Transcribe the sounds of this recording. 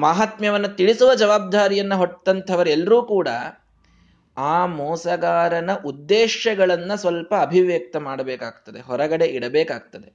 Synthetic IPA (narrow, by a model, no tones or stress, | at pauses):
maːɦat̪mjɐʋɐnːɐt̪iɭisuʋɐd͡ʒɐʋaːb̚d̪aːɾijɐnːɐɦoʈ̪ːɐnt̪ʰɐʋɐɾɛlːɐɾuːkuːɽɐ̰ | aːmɔːsɐɡaːɾɐnɐʔud̪ːeːʃɐɡɐɭɐnːɐsʋɐlpɐːbʱiʋeːk̚t̪ɐmaːɽɐbeːkaːɡt̪ɐd̪e̞ɦɔɾɐɡɐɽe̞ʔiɽɐbeːkaːɡ̚t̪ɐd̪e̞